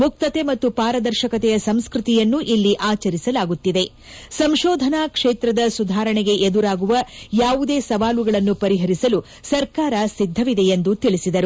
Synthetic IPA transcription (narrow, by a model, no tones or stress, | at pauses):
muk̚t̪ɐt̪e̞mɐt̪ːupaːɾɐd̪ɐɾʃɐkɐt̪ɛjɐsɐmskɾɨt̪ijɐnːuʔilːiʔaːt͡ʃɐɾisɐlaːɡut̪ːid̪e̞ | sɐmʃɔːd̪ʱɐnaːkʂeːt̪ɾɐd̪ɐsud̪ʱaːɾɐɳɛɡe̞ʔed̪uɾaːɡuʋɐjaːʋud̪e̞ːsɐʋaːluɡɐɭɐnːupɐɾiɦɐɾisɐlu | sɐɾkaːɾɐsid̪ʱːɐʋid̪e̞end̪ut̪iɭisid̪ɐɾu